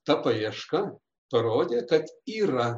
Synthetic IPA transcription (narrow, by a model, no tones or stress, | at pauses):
t̪ɐpɐjiɛʃkɐ | pɐɾoːd̪ʲeːkɐt̪iːɾɐ